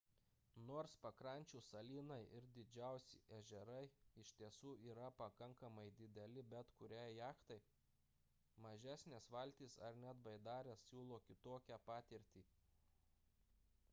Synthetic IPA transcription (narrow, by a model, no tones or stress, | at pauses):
noːɾspɐkɾɐˑnʲt͡ʃʲuːsɐlʲiːnɐɪʔɪɾd̪ʲɪd͡ʒʲæˑʊsʲɪ̰ʔɛʒʲɛɾɐɪɪʃʲt̪ʲiɛsuːiːɾɐpɐkɐŋkɐmɐɪd̪ʲɪd̪ʲɛlʲɪbʲɛt̪kʊɾʲæːjjɑːkt̪ɐɪ | mɐʒʲæːsʲnʲeːsʋɐlʲt̪ʲiːsɐ̰ɾnʲɛt̪ʋɐɪd̪ɑːɾʲeːssʲuːlˠoːkʲɪt̪oːkʲæpɑːt̪ʲɪɾʲt̪ʲiː